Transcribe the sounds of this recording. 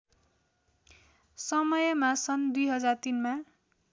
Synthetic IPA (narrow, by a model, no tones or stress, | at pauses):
sʌmʌjʌmasʌnd̪ujɦʌd͡zart̪inma